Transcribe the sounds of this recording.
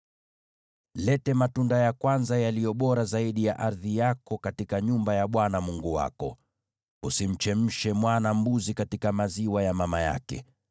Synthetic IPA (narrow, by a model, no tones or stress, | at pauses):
lɛtɛmatundajakwanzajalijɔɓɔɾazaiɗijaʔaɾðijakɔkatikaɲumbajaɓwanamuŋɡuwa̰kɔ | usim̩t͡ʃɛm̩ʃɛmwanam̩buzikatikamaziwajamamaja̰kɛ̰